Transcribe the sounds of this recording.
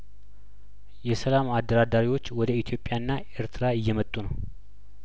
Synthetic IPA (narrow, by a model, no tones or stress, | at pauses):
jɛsəlamad̪ːəɾad̪aɾiwo̞t͡ʃːwɔd̪əit̪ʰijo̞pʼːjaɨnːaʔeɾt̪ʰɨɾaɪjːɛmət̪ʼːunəw